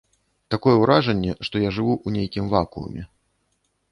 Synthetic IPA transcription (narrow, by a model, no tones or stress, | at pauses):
t̪akɔjɛwɾaʐɐnʲːɛʂt̪ɔjaʐɨvuʔunʲejkʲimvakṵɐ̰mʲɛ